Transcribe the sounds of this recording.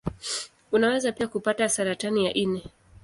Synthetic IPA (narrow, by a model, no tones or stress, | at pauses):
unawɛzapiakupatasaɾatanijaʔinɛ